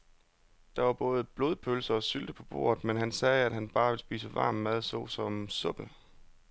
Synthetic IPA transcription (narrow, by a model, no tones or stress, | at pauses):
d̥ɑ̈ʋɑ̈b̥ɔ̽ːð̞ˠb̥lo̝ːð̞ˠpʰølsɐɒ̽syld̥əpʰɒ̽b̥o̝̰ːɐ̰ð̩ˠmenɦænsɛːæd̥ɦænb̥ɑ̈ːʋe̝lsb̥iːsəʋɑ̈ːmmæð̞ˠsɒ̰ːsɒ̽msɔ̽b̥l